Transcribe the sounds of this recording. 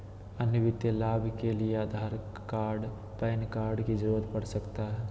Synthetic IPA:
ɐnjəʋɪt̪jəlaːbʱkelieaːd̪ʱaːɾ | kaːɾɖ | pɛːnkaːɾɖkid͡ʒɾoət̪pəɽsəkt̪aɦɛː

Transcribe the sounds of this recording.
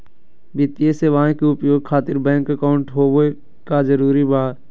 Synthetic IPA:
bɪt̪jeseʋãkiʊpjoːɡ̚kʰaːt̪ɪɾbɛ̃ːŋkəkaːʊɳʈɦoːe | kazəɾuːɾibaː

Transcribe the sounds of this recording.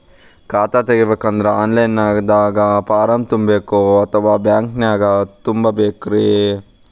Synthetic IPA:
kaːt̪at̪eɡibeːkːɐnd̪ɐɾeaːnlɐjnːaːd̪aːɡɐpaːɾɐmt̪umbeːkoɐt̪ʰɐʋaːbjaːŋknjaːɡɐt̪umbɐbeːkɾe

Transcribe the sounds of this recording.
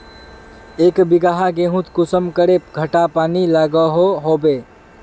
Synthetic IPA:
ekbiɡaɦaɡeɦũt̪kusəmkəɾep̚ɡʱəʈapanilaɡəɦoɦobe

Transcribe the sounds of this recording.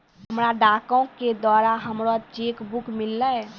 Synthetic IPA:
ɦəmɾad̪akõked̪waːɾaɦəmɾot͡ʃekbukmilːə

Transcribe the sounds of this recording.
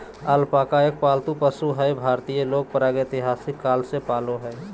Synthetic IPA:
aːlpaːkaːjək̚paːlt̪upəsuɦɛjbʱaːɾt̪ijeloːɡ̚pɾaːɡet̪ɪɦaːsɪkːaːlsepaːloɦɛ

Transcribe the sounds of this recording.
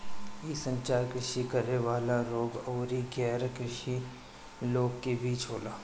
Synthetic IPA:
iːsə̃ɲt͡ʃaːɾkɾɪʃikɐɾeʋaːlaɾoːɡɔːɾiɡɛːɾkɾɪʃi | loːɡkebiːt͡ʃɦoːlaː

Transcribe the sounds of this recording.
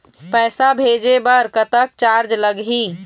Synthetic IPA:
pɛːsabʱed͡ʒebəɾkət̪ək̚t͡ʃaɾd͡ʒləɡɦi

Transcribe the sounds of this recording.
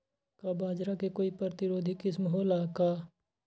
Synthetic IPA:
kabaːd͡ʒɾakekoːipɾɾət̪ɪɾoːd̪ʱikɪsmɦolaːkaː

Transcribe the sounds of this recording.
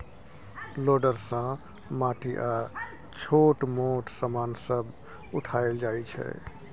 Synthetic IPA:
loɖəɾsə̃ | maʈiʔa | t͡ʃʰoʈmoʈsəmansəb | uʈʰaeld͡ʒajt͡ʃʰɛ̰

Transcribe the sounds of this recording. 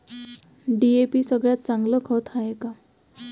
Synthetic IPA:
ɖiepisʌɡɭjat̪̚t͡saŋɡlɔkʰɔt̪ʰaeka

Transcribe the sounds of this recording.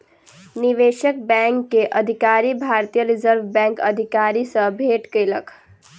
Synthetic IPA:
niʋeːʃək̚bɛ̃ŋkːeʔəd̪ʱikaɾibʱaːɾt̪ijəɾizəɾʋbɛ̃ŋkə̰d̪ʱikaːɾisə̃bʱeːʈkəjləkʰ

